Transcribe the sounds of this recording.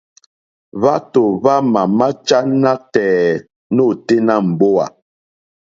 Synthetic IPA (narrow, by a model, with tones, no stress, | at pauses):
va˦to˨va˦ma˨ma˦t͡ʃa˦na˦k̚tɛː˨ | no˦˨te˦na˦m̩˨bo˦a̰˨